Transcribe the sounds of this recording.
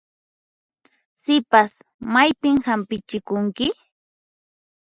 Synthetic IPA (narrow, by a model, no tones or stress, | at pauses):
sɪpas | majpɪmhampɪt͡ʃɪkʊŋkɪ